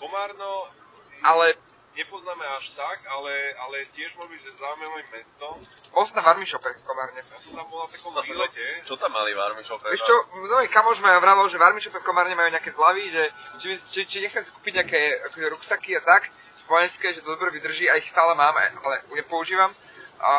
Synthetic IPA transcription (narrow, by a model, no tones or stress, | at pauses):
kɔmaːɾnɔ | ʔalɛ | ɲɛpɔznaːmɛaʃt̪akalɛalɛcɪɛʒmʊɔʒɛbiɟʒɛzaːumɛɔimmːɛst̪ɔpɔlsnaʋaɾmiʃɔpɛkɔmaːɾɲɛjasɔmt̪ambɔlat̪akɔilɛɛt͡ʃɔt̪amːa̰liʋa̰ɾmiʃɔpɛɛʃɔnɔikamɔʒmaaʋɾaːʋalʒɛʋaɾmiʃɔpɛfkɔmaːɾɲɛmajuːɲɛakɛːzlaʋiʒɛt͡ʃimit͡ʃit͡ʃiɲɛxt͡sɛmsi̥kuːpiɟɲɛakɛːakɔʒɛɾuksakiat̪ak | ʋɔjɛnskɛʒɛt̪ɔd̪ɔbɾɛʋid̪r̩ʒiaixst̪aːlɛmaːma̰ʔalɛjɛpɔuʒiːʋam